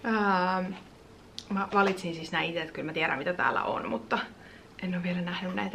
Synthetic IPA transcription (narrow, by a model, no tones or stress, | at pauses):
əːm | mɑʋɑlit̪sinsisnæːit̪eet̪kylmæt̪iæɾæ̰mit̪æt̪æ̰ːlːæ̰ʔo̰nmut̪ːɑ | ʔenːoːʋʋielænæhnynnæ̰it̪æ